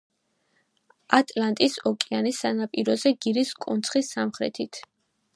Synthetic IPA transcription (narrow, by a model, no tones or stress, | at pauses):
at̪ʼlant̪ʼisɔkʼianisːanapʼiɾɔzɛɡiɾiskʼunt̪sʰχisamχɾɛ̰t̪ʰit̪ʰ